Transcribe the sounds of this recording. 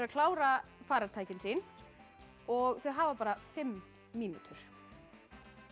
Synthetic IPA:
ɾakʰlaːwɾafaːɾaɾt̪ʰaːjcɪnsin | ɔɣθœɥɦaːvapaːɾafɪmː | iːnṵt̪ʰʏɾ̥

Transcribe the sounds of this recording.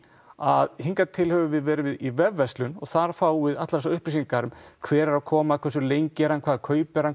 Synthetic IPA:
aðhiŋkat̪ʰɪlhœvʏvɪðvɛːɾɪvɪðivɛvːɛst̪lʏnɔ̰ɣθaɾ̥faːwvɪðat̪laɾsawʏhpɾɪsiŋkaɾʏmkʰvɛːɾaɾawkʰɔːmakʰvɛs̬ʏɾlejɲcɪɛɾankʰvaːðakʰœːɥpɛɾan

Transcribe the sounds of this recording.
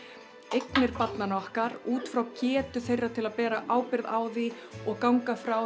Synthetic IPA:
ejknɪɾpat̪nanɔhkaɾuːt̪fɾawcɛːt̪ʏθejrːat̪ʰɪlaðpɛːɾaʔaːwpɪɾðaːwði | ɔɣkawŋkafɾaw

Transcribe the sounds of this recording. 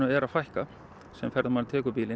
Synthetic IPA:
ʏɛɾaðfajhka | sɛmfɛɾðmalt̪ʰɛːkʏpiːlɪ

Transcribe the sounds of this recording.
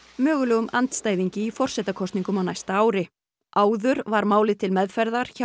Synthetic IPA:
mœːɣʏlɛːɣʏmʔant̪st̪aːjðiɲcɪifɔr̥sɛt̪akʰɔst̪niŋkʏmawnajst̪aaːwɾɪ | ʔaːwðʏɾvaɾmaːwlɪt̪ʰɪlmɛðfɛɾðaɾ̥ç

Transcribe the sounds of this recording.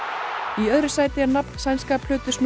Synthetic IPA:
iœðɾʏsaːjt̪ɪanapn̥sajnskaːplʏːt̪ʏsn

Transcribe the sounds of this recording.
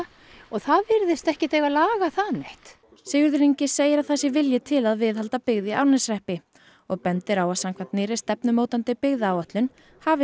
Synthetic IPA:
ɔθaðvɪɾðɪst̪ɛhcɪt̪ejɣalaːɣaθaneht̪ | sejʏɾðɪɾiɲcɪseːjɪɾawθɛsɪvɪljɪt̪ʰɪlaðvɪðhalt̪apɪɣðjɪʔaɾnɪsrɛhpɪ | ɔɣpɛnt̪ɪɾawasaŋkʰant̪nɪːɾɪst̪ɛpnʏmoːwt̪ant̪ɪpɪɣðaːwœht̪lʏn | havɪ

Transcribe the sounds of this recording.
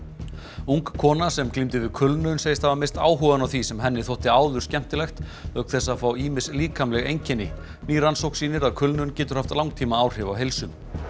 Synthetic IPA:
uŋkʰːɔːnasɛmklimt̪ɪvɪðkʰʏlnʏʏnsejɪst̪havamerst̪a̰ːwɦuvanawθisɛmɦɛnːɪθowht̪ɪaːwðʏ̥scɛm̥t̪ɪlɛxt̪œhk̪θɛsaðfaːwiːmɪsliːkʰamlɛɣejɲcɛnːɪ | niːɾansowhksiːnɪɾaðkʰʏlnʏncɛːt̪ʏɾ̥haft̪lawŋt̪ʰiːmaaːwr̥ɪvawɦelsʏm

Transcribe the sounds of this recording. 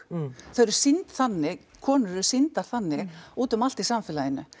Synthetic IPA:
θœɾʏɾsɪnt̪θanːɪkʰɔːnʏɾʏ̥sɪnt̪aɾ̥θanːɪuːt̪ʏmal̥t̪isamfɪːlajɪnːʏ̰

